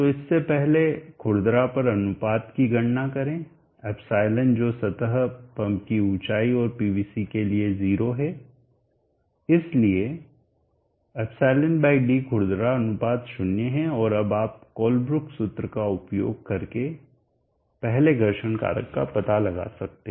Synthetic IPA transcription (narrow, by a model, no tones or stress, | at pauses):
t̪oɪsːepɛɦlekʰʊɽd̪ɾapɐɾɐnʊpaːt̪kiɡɐɽnakɐɾẽː | ɛːpʰsaːɪlənd͡ʒoːsɐt̪əɦpɐ̃mpkiũːt͡ʃaːiɔːɾpiːbiːsikelieziːɾoɦɛ | ɪslie | ɛpsaːɪlənbaːɪkɖikʰʊɽd̪ɾaɐnʊpaːt̪ʃʊnjeɦɛ̃ɔːɾɐbaːp̚kɔːlbɾʊksʊt̪ɾəkaʊpjo̰ːɡ̚kɐɾke | pɛɦleɡʱɐɾʃənka̰ːɾə̰kːa̰pɐt̪alɐɡa̰ːsɐk̚t̪ẽː